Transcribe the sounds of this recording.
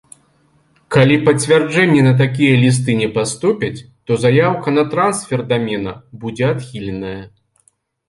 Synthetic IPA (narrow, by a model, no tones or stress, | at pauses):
kalʲipɐt͡sʲvʲard͡ʐɛnʲːɛnɐt̪̬ak̬ʲijɐlʲis̬t̪ɨnʲɛpast̪upʲɐt͡sʲ | t̪ɔzajawkɐnɐt̪ɾansfʲɛrd̪amʲɛnɐbud͡zʲɛat̪xʲilʲɛnɐjɐ